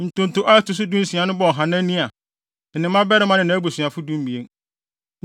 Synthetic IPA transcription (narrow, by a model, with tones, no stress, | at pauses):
n̩˨tʊ̃˨n˨tʊ˨ʔa˦tʰʊ˨s̬ʊ˦dũ˦n̩˦si˨a˨nʊ̃˦bɔ˨ɦã˨nã˦nĩ˦a˨ | n̩˨nɪ̃˨mːã˦bɛ˦ɾɪ˦mã˦nɪ̃˨nã˨˦bu˨sɥa˨fʊ˦dũ˦m˦bi˨e˦ŋ